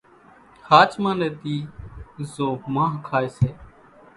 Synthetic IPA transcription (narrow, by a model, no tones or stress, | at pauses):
haːt͡ʃmãːneːt̪iːzoːmãːɦkʰaːeːseː